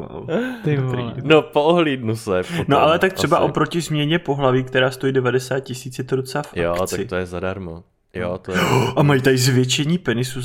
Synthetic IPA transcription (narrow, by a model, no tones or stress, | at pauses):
a̰lɪt̪ɾdnopooɦliːdnusɛpnoʔalɛt̪ak̚t̪ɛbaʔo̞pɾocɪzmɲɛɲɛpo̞ɦlaviːk̚t̪ɛɾaːst̪o̞jiːdɛvadɛsaːt̪̚cɪsiːt͡sjɛt̪oɾot͡safʔaokt̪t͡saɪt̪ojɛzadaɾmo | jot̪oʔamajit̪aɪzvjɛt͡ʃɛɲiːpɛnɪsu